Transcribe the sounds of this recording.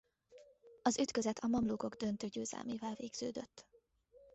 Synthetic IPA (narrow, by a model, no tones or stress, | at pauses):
ɒzyt̪køzɛt̪ʰɒmɒmluko̞ɡd̪ønt̪øːɟøːzɛ̰lmeːvɛlveːɡz̥ø̰ːd̪ø̰t̪ː